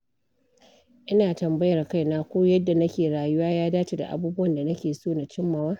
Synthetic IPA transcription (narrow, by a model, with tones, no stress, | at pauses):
ʔɪ˦naː˨tɐ˨mbɐ˦jɐ˨rka˦jnaː˦kʷoː˦jɐ˦dːa˨nɐ˦kʲeː˨ɽaː˨jʊ˦waː˦jaː˦daː˦t͡ʃi˨da̰˨ʔa̰˨buː˦bʊ˦wɐ˨nda˨nɐ˦kʲeː˨soː˦na˨t͡ʃɪ˦mːɐ˨waː˦